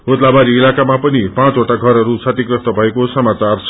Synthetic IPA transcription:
ot̪labaɾiːlakamapʌnipãt͡soʈaɡʱʌɾʌɾusʰat̪ikrʌst̪ʌbʱʌekosʌmat͡sart͡sʰ

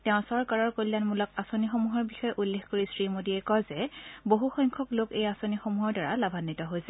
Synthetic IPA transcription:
tɛʊ̃sɔɹkaɹɔɹkolːanmulɔkasonixomuɦɔɹbixɔjɛʔulːexkoɹisɹimodiɛkɔzɛboɦuxɔjŋkʰɔklokejasonixomuɦɔɹdaɹalabʱanːitɔɦojsɛ̥

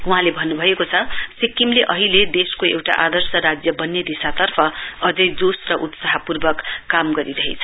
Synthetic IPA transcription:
uɦãlebʱʌnːubʱʌekot͡sʰʌsikimleʔʌɦiled̪eskoewʈa̰ʔad̪ʌrsʌɾad͡zjʌbʌnːed̪isat̪ʌrpʰʌʌd͡zʌjd͡zosrʌʔut̪saɦʌpurbʌkːamɡʌɾiɾʌɦḛt͡sʰʌ̥

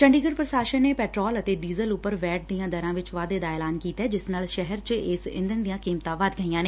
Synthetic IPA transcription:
t͡ʃəɳɖiːɡəɽpɾəʃaːʃənːeːpɛːʈɾɔːlət̪eːɖiːzəlʊpːəɾʋɛːʈ̚d̪ijãːd̪əɾãːʋɪt͡ʃʋaːd̪eːd̪aːeːlaːnkiːt̪ɛːd͡ʒɪsnaːlʃɛɦɛɾt͡ʃɪsɪ̰̃nd̪ənd̪ijãːkiːmt̪ãːʋaːd̪ɡəiːãːneː

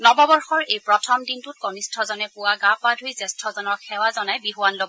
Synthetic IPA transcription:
nɔbɔbɔɹxɔɹejpɹɔtʰɔmdintut̚kɔnistʰɔzɔnɛpʊwaɡapadʱujzɛstʰɔzɔnɔɹkʰɛwazɔnajbiɦuwanlob

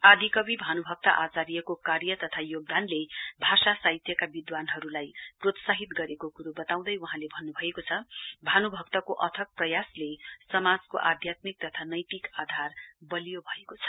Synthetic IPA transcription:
ad̪ʱikʌbibʱanubʱʌk̚t̪aʔat͡saɾijekokarjʌt̪ʌt̪ʰajoɡ̚d̪anlebʱasasaɦit̪jʌkabid̪wanɦʌɾulajprot̪saɦit̪ɡʌɾekokuɾubʌt̪aw̃d̪ʌjwuɦãlebʱʌnːubʱʌekot͡sʰʌbʱanubʱʌk̚t̪ʌkoʔʌt̪ʰʌk̚prʌjaslesʌmad͡zko̰ʔad̪ʱjat̪mik̚t̪ʌt̪ʰanʌjt̪ikad̪ʱarbʌlijobʱʌekot͡sʰʌ̥

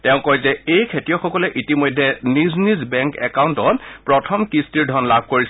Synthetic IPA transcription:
tɛʊ̃kɔɹjzɛejkʰetijɔxɔkɔlɛʔitimɔjdʱːɛniznizbɛŋkɛkawntɔtpɹɔtʰɔmkistiɹdʱɔnlabʱkoɹis

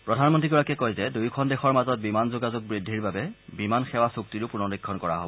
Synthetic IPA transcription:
pɹɔdʱanmɔntɹiɡɔɹakɛkojzɛdujkʰɔndexɔɹmazɔt̚bimanzoɡazʊɡ̚bɹidʱːiɹbabɛbimanxɛwasuk̚tiɹʊpunɔɹikʰːɔnkɔɹa̰ɦo̰bɔ

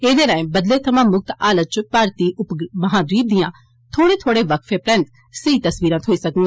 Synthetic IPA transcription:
eːd̪eːɾãẽːbəd̪leːt̪ʰəmãːmʊk̚t̪aːlət̪̚t͡ʃpaːɾt̪iːʔʊpməɦãːd̪wiːp̚d̪ɪjãː | t̪ʰoːɽeːt̪ʰoːɽeːʋəkʰfʰeːpɾɛ̃nt̪ | səit̪əsʋiːɾãt̪ɦoːiːsəkũŋɡã

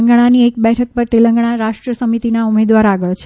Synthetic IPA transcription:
ŋɡɳ̃aniekbɛʈʰək̚pəɾt̪elə̃ŋɡɽ̃aɾaʃʈɾəsəmit̪inaumed̪ʋaɾaɡəɭt͡ʃʰ

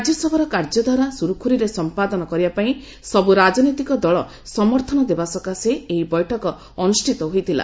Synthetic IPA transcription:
d͡ʒjɔsɔbʱɔɾɔkaɾd͡ʒɔd̪waɾasuɾukʰuɾiɾesɔmpad̪ɔnɔkɔɾibapaĩ | sɔbuɾad͡ʒɔnijt̪ikɔd̪ɔɭɔ | sɔmɔɾt̪ʰɔnɔd̪ebasɔkaseeibɔjʈʰɔkɔ | ɔnusʈʰit̪ɔɦojt̪ʰila̰

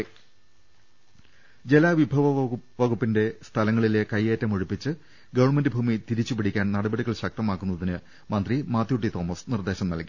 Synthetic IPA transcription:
d͡ʑelaːʋibʱɐʋɐʋɐɣupːinde̞st̪ʰɐlɐŋːɐɭile̞kɐjːe̞ːtːɐmoɻupːit͡ɕːɨ | ɡɐʋɐrɳmendɨbʱuːmit̪iɾit͡ɕːupiɽikʲːaːnnɐɽɐbɐɽiɣɐɭɕɐk̚t̪ɐmaːkːunːɐðinɨ | mɐnd̪rimaːt̪ːjuʈ̬ːit̪o̞ːmɐsnird̪e̞ːɕɐmnɐlki̥

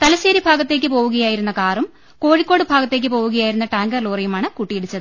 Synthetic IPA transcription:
t̪ɐlɐɕeːɾibʱaːɡɐt̪ːe̞ːkʲːɨpo̞ːʋuɣɐjaːjiɾunːɐkaːrum | ko̞ːɻikʲːo̞ːɽɨbʱaːɡɐt̪ːe̞ːk̬ʲːɨpo̞ːwuɣɐjaːjiɾunːɐʈaːŋɡɐrluːrɐjumaːɳɨkuʈːijeɽut͡ɕːɐðɨ

